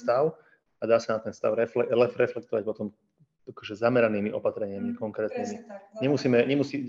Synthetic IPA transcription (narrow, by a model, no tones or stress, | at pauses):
t̪aʊ | ad̪aːsanat̪ɛnst̪a̰ʊɾɛlɛlɛfɾɛflɛkt̪ɔʋac̚pɔt̪ɔm | akɔʒɛzamɛɾaniːmiʔɔpat̪ɾɛɲɪamikɔŋkɾɛːt̪niːmiɲɛmusiːmɛɲɛmusiː